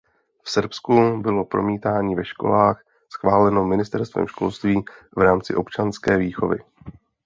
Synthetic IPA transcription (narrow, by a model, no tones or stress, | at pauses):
fsɾpskubɪlo̞pɾo̞̰miːt̪aːɲiːvɛʃko̞̰laːx | sxvaːlɛno̞mɪnɪst̪ɛɾst̪vɛ̰mʃko̞̰lst̪viː | vɾaːmt͡sɪʔo̞pt͡ʃanskɛːviːxo̞̰vɪ̰